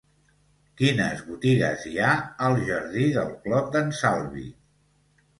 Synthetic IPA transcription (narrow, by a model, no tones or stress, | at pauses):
kinə̰zβut̪iɣə̰ziaəlˠʒəɾðiðəlˠklɔp̚d̪ənsalˠβḭ